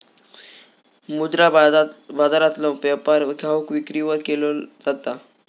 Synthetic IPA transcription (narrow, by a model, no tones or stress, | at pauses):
mud̪ɾabad̪aɾat̪lɔʋjapaɾkʰaʋəkʋikɾiʋəɾkelod͡zat̪a